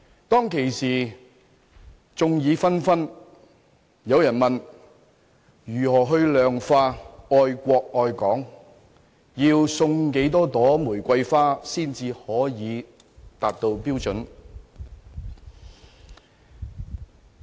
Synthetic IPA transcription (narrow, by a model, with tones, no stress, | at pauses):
t̪ɔː˥ŋkʰe˨˩jsiː˨˩ | t͡sʊ˨˧ŋjiː˨˧fɐ˥nfɐ˥n | jɐ˨˧wjɐ˨˩nmɐ˨n | jyː˨˩hɔː˨˩ɦɵ˧ɥlœː˨ŋfaː˧ɔː˧jkʷɔː˧k̚ɔː˧jkɔː˨˥ŋ | jiː˧wsʊ˧ŋke˨˥jt̪ɔː˥t̪ɔː˨˥muː˨˩jkʷɐ˧jfaː˥siː˥˩nt͡siː˧hɔː˨˥jiː˨˧ | t̪aː˨p̚t̪o˧wpiː˥wt͡sɵ˨˥n